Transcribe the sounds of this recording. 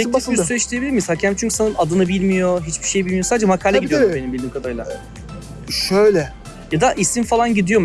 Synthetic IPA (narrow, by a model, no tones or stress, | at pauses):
ɛiiɾsyɛʃt̪ʰʲijebilʲiɾmiishacʰæmt͡ʃʰyɲcʰy̥sanɯnad̪ɯnɯbilʲmijo̞ɦit͡ʃbi̥ʃe̞jbilʲmijosad̪d͡ʒɛmakʰaːlʲɛɟd̪jombeimbilʲd̪imkad̪ajlˠa̰ | ʃøjlʲɛ | jad̪aʔisinfalˠanɟid̪ijo̞m